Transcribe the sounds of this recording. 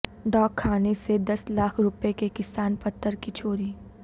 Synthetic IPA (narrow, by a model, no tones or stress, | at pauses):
ɖɔːkʰːaːnesed̪ɐslaːkʰɾʊpekekɪsaːnpɐt̪ʰːəɾkit͡ʃʰoːɾiː